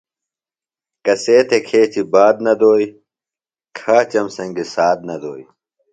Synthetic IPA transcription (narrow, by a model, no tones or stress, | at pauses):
kɐseːt̪ʰekʰeːt͡ɕʰibaːd̪nɐd̪oːi | kʰaːt͡ɕɐmsɐŋɡisaːd̪̚nɐd̪oːj